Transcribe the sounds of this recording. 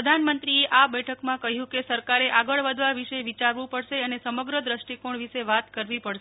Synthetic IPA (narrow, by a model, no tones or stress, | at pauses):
əd̪ʱanmənt̪ɾieʔabɛʈʰəkmãkəɦjũkesəɾkaɾeʔaɡəɭʋəd̪ʱʋaʋiʃeʋit͡ʃaɾʋũpəɭʃeənesəməɡɾəd̪ɾəʃʈikoɳʋiʃeʋat̪kəɾʋipəɽʃe